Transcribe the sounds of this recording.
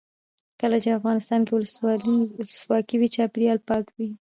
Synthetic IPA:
kəlat͡ʃeafɣɑnɪst̪ɑnkewʊləswɑliləswɑkiwit͡ʃɑpɪɾijɑlpɑkwi

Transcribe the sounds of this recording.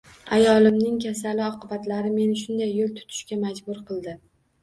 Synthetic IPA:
ajɒlˠɪmnɪŋkʲʰasalɪɒqɨbat̪laɾɪme̞nɪʃ̬ʊnd̪ajːolˠt̪ʰʊ̥t̪ʰɪ̥ʃkʲamad͡ʒbʊɾqʰɨlˠd̪ɪ

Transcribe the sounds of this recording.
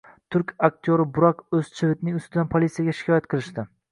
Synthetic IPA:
t̪ʰʊɾkʲak̚ʲt̪ʰjoɾɪbʊɾakɵz̥t͡ʃʰɪvɪt̪nɪŋʊst̪ɪd̪anpʰolʲˠit̪sijaɡʲaʃɪ̥kʰʲɒjat̪̚qʰɨlˠɪʃt̪ɪ

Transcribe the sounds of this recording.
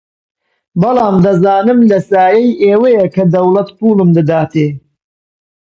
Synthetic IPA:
bɨlɑːmd̪ɐzaːnɨmlɐsaːjɐjʔeːwɐjɐkɐd̪ɐwlɐt̪puːlɨmd̪ɨd̪aːt̪eː

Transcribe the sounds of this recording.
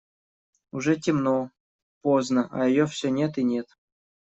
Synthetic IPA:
uʐɛtʲɪmno | poznəʔa̰jɪjofsʲonʲet̪inʲet̪

